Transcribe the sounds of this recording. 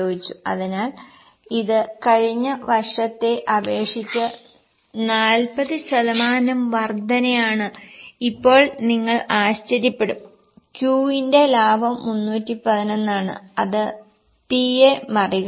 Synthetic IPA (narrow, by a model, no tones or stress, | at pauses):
oːɡit͡ɕːuɐ̰ðinaːl | iðɨkɐɻiɲːɐʋɐrʂɐt̪ːe̞ʔɐʋe̞ːʂit͡ɕːɐ | naːlpɐðɨɕɐðɐmaːnɐmʋɐrd̪ʱɐnɐjaːɳɨipːo̞ːɭniŋːɐɭaːɕt͡ɕɐɾjipːe̞ɽum | kjuːinde̞laːbʱɐmːunːuːtːipɐðino̞nːaːɳɨ̰ɐðɨ | piemɐriɣ